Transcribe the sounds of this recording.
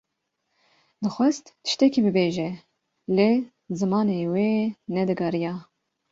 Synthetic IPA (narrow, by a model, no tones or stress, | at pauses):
d̪ɨxʷɛst̪t̪ɨ̥ʃt̪ɛkibɨbeːʒɛ | leː | zɨmɑːneweːnɛd̪ɨɡɑːɾijɑː